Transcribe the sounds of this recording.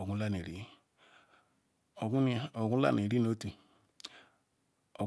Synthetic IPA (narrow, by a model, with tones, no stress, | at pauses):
o˨ɡũ˦la˦ne˨ɾḭ˦ | o˨ɡu˦˨o˨ɡũ˦la̰˦˨ne˨ɾi˦no˨˦tu˨ | o˨